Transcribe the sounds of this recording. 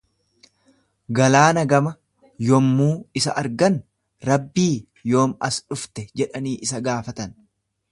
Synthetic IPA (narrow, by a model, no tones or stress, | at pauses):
ɡɐlaːnɐɡɐmɐ | jɔmːuːɪsɐʔɐɾɡɐn | ɾɐbːiː | jo̞ːmɐsᶑʊft̪ɛd͡ʒɛᶑɐniːʔɪsɐɡaːfɐt̪ɐn